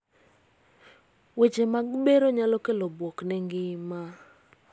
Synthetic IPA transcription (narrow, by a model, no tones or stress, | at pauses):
wet͡ʃemaɡɓeɾoɲalokelobwoknɛŋɡɪma